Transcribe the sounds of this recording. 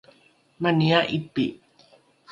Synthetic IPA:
maniaʔipi

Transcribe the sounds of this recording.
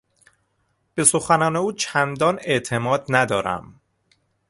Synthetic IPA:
b̥e̞so̞xænɒːne̞uːt͡ʃʰænd̪ɒːne̞ʔt̪ʰe̞mɒːd̪næd̪ɒːɾæ̰m

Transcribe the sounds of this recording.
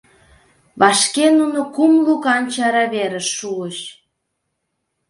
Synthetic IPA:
βɑʃkenunokumlukɑnt͡ɕɑɾɑβeɾəʃːuəʃ

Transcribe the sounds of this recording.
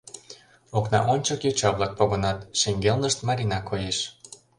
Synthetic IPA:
oknɑ̰ʔonʲt͡ɕəkjot͡ɕɑβlˠɑk̚poɣŏnɑt̪ʃeŋɡelnəʃt̪mɑɾʲinɑkʰːojeʃ

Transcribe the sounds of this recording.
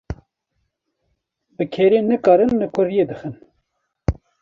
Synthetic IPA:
bɨkʰeːɾeːnɨkɑːɾɨnlɨkʰʊɾjeːd̪ɨxɨn

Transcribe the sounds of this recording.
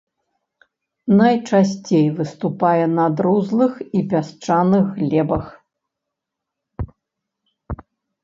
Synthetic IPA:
nɐjt͡ʂasʲt͡sʲejvɨst̪upajɛnɐd̪ɾuzlˠɨxipʲast͡ʂanɨxːlʲɛbɐx

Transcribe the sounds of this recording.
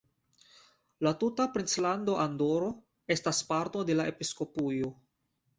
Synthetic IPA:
latutapɾint͡slando̞ʔando̞ɾo̞ | e̞staspaɾto̞de̞laʔe̞pisko̞pujo̞

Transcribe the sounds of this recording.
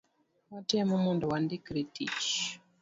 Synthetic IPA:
watɛmumunduwandikɾitḭt͡ʃ

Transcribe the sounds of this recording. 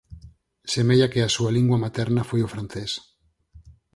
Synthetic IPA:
semeʎakeasualiŋɡwamat̪ɛɾnafojofɾanθes

